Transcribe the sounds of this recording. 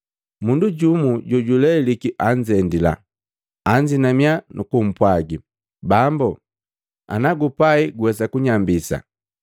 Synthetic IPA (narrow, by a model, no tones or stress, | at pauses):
munduɟumuɟɔɟulɛlikiʔaɲd͡ʒɛndila̰ː | ɲd͡ʒinamjanʔukum̩pwaɡi | bambu | a̰naɡupaiɡuwɛsakuɲambisa̰